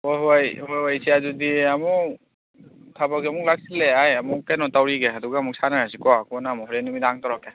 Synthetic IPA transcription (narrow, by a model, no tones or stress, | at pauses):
hojɦojhojojsiazudiamu | tʰabaɡiamuk̚lak̚sileajamukːajnɔtawɾiɡeaduɡamuk̚sanaɦasikɔakɔnamɔɦɔɾenimidaŋtaɾake